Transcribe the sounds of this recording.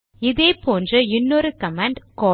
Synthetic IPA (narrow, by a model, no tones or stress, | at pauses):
ɪðeːpoːndrɐɪnːoɾɯkɐmaːɳɖkoː